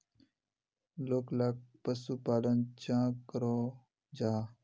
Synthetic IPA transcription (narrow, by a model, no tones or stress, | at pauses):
loklak̚pəsupaːlənt͡ɕãːkəɾoː | d͡ʑaː